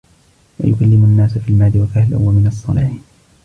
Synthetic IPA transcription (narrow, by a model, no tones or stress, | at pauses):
wa̰jʊkalːɪmʊnːaːsfiːlmaːd̪ɪwakahlʔʊwamɪnɑsˤːɑ̰lɪħ